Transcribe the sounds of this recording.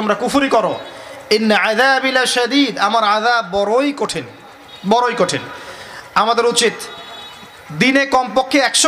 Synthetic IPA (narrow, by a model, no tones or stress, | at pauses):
omɾakufuɾikɔɾoenːaaðabilaʃad̪iːd̪amaɾaðabbɔɾojkoʈʰen | bɔɾojkoʈʰen | amad̪eɾut͡ɕit̪ | d̪inekɔmpokʰːeɛkʃ